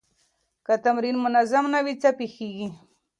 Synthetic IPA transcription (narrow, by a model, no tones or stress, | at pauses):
kat̪amɾɪnmʊnazamnawit͡sapixiɡi